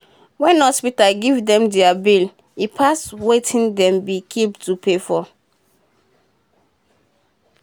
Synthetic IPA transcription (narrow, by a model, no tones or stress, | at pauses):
wɛ̃nɔspitaɡivdɛ̃mdiabil | ipʰaswetʰĩndɛ̃mbikʰiptupefɔ